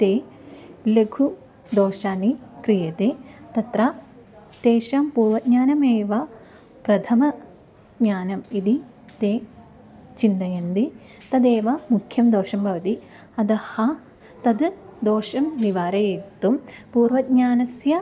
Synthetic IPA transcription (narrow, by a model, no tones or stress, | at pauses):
t̪eː | leɡʱu | d̪oːʃaːnikɾijɐt̪et̪ɐt̪ɾɐ | t̪eːʃaːmpuːɾʋɐd̪̚ɲaːnɐmeːʋɐ | pɾɐt̪ʰɐmɐ | d̪ɲaːnɐmid̪i | t̪eː | t͡ʃind̪ɐjɐnd̪i | t̪ɐd̪eːʋɐmukʰːjɐmd̪oːʃɐmbʱɐʋɐt̪i | ɐd̪ɐhɐ | t̪ɐd̪d̪oːʃɐmʋiʋaːɾɐjet̪ːumpuːɾʋɐd̪̚ɲaːnɐsjɐ